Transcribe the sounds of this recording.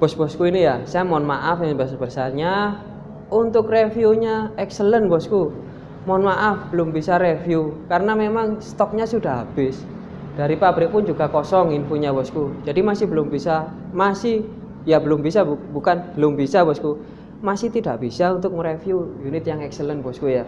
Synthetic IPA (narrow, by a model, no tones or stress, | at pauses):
b̥ɔsb̥ɔskuinijasajamɔnmaʔafjaŋbəsbərsaɲa | unt̪ʊkrefiuɲaɛksələnbɔsku | mɔnmaʔafb̥əlʊmbisaɾefjukaɾənamemaŋst̪ɔk̚ɲasudaɦab̥ɪs | d̥aɾipabɾɪk̚pʊnd͡ʒuɡ̥akɔsɔŋinfoɲabɔskud͡ʒadimasɪhbəlʊmbisa | masɪh | jabəlʊmbisabbukanb̥əlʊmbisabɔsku | masɪht̪idaʔb̥isaunt̪ʊk̚mɾefjujunɪt̪̚jaŋɛksələnbɔskuja